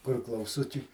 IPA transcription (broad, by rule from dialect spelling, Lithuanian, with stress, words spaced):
kʊr klˠɐʊˈsʊt͡ʃʲɛɪ